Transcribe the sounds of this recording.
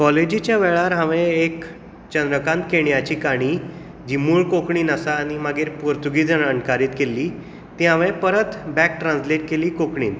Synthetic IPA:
kɔled͡ʑit͡ɕjaʋɛɭaɾɦãʋẽek | t͡ɕənd̪ɾəkãnt̪keɳjat͡ɕiːkaɽ̃iː | d͡ʑimuːɭkokɳiːnasaːñimaɡeːɾpuɾt̪uɡiːd͡zənəɳkaɾiːt̪kelːiː | t̪iɦãʋẽpəɾət̪bɛk̚ʈɾãnsleʈ̚keliːkokɳḭːn

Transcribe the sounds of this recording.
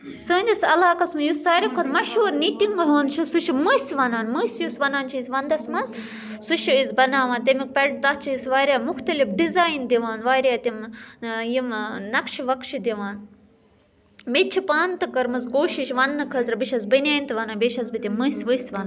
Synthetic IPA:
səːnʲd̪ʲɐsɐlaːkɐsmɨjusaːɾikʰonmɐʃɦuːɾnitiŋɡɐɦoːnt͡ʃʰusuʃimɨsʋɐnaːnmɨsjusʋɐnaːnt͡ʃʰisʲʋɐnd̪ɐsmɐz | suʃiizbɐnaːʋaːnt̪emik̚pɐɽ̚t̪ɐt͡ʃʰisʋaːɾʲaːmuxt̪ɐlifɖizaːjnd̪iʋaːnʋaːɾʲaːt̪imjimnɐkʃiʋɐkʃid̪iʋaːn | met̚t͡ʃʰipaːnt̪ɨkɐɾmɐzɡoːʃiʃʋɐnnɨkʰɐlt̪ɾɨbiʃɐzbɐnʲaːjnt̪ɨʋɐnaːnbeʃɐzbit̪imɨsʋɨsʋɐnaːn

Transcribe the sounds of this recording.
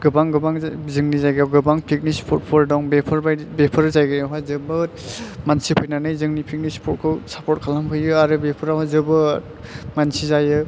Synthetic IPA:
ɡ̥ɯbaŋɡɯbaŋzɯŋnizajɡjawɡɯbaŋpʰik̚nispʰɔt̚pʰɔɾdɔŋbepʰɯɾbajbepʰɯɾzajɡɯjawɦazɯbɯmansipʰujnanɯjzɯŋnipʰik̚nispʰɔt̚kʰɯwsapʰɔt̚kʰalampʰɯjɯaɾɯbepʰɯɾawɦazɯbɯ | mansizajɯ

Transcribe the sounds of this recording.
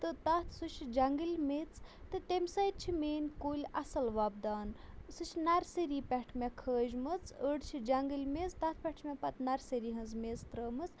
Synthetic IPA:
t̪ɨt̪at̪ʰsut͡ʃʰid͡ʒaŋɡɨlʲmet͡st̪ɨt̪emsɐjd̪̚t͡ʃʰimeːnkoːlʲɐsɐlʋabd̪aːnsɨt͡ʃʰinaɾsəɾipʲɛʈʰmekʰəːd͡ʒmɨt͡səɖt͡ʃʰid͡ʒaŋɡɨlʲmezt̪at̪̚ʰpʲɛʈʰmepɐt̪naɾseɾiɦɐ̃nzmezt̪ɾəːmɨt͡s

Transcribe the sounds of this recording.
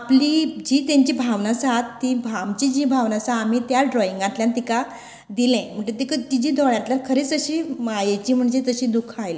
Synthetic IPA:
aplid͡ʑiːt̪jãɲt͡ɕiːbʱaʋnasat̪ːiːbʱamt͡ɕid͡ʑiːbʱaʋnasaːmiːt̪jaɖɾɔiŋɡãt̪ljãnt̪ika | d̪ilɛ̃m̤əɳt̪et̪ikət̪id͡ʑiːd̪ʱɔɭjãt̪ljaɾkʰəɾeːt͡səɕiːmajet͡ɕiːm̤əɳd͡zet̪əɕiːd̪ukʰajle

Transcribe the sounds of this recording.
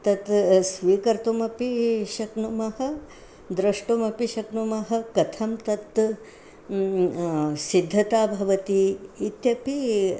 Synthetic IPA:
t̪ɐt̪sʋiːkɐɾt̪umɐpiʃɐknumɐhɐ̆ | d̪ɾɐʂʈumɐpiʃɐknumɐɦɐ̆kɐt̪ʰɐmt̪ɐt̪ | sid̪ʱːɐt̪aːbʱɐʋɐt̪iːt̪jɐpi

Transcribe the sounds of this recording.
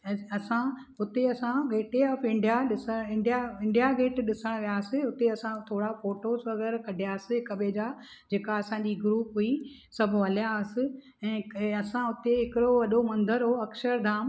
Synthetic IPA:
ɐsã | ɦʊt̪eɐsãɡʱeːʈeɐfɪ̃ɳɖijaɗɪsəɪ̃ɳɖjaɪ̃ɳɖijaɡeːʈɗɪsəɽ̃ʋijaːsɪɦʊt̪eɐsãt̪ʰoːɽafoːʈoːzʋɐɣɛːɾkɐɖʱijasɪkɐɓeːd͡ʑa | d͡ʑeːkaɐsãd͡ʑiɡɾuːpɦui | sɐbʱʊɦɐljaɐsɪ̆ | ɛ̃ːɐsãʊt̪eɦɪkɪɽoʋɐɗomɐ̃nd̪ʱəɾɦoːɐkʃəɾd̪ʱaːm

